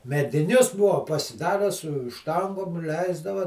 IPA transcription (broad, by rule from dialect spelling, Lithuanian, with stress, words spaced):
mʲɛdʲɪˈnʲʊs ˈbʊʋoː pɐsʲɪˈdɑːrʲæː sʊ ˈʃtɐŋɡoːm ˈlʲɛɪzdɐʋɐ